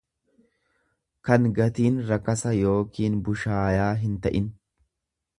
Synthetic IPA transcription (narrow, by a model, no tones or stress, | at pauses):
kɐŋɡɐt̪iːnɾɐkɐsɐjo̞ːkiːnbʊʃaːjaːɦɪnt̪ɐʔɪn